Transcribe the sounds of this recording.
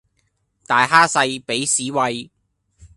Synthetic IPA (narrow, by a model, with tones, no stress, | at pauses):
t̪aː˨jɦaː˥sɐ˧jpe˨˥jsiː˨˥wɐ˧j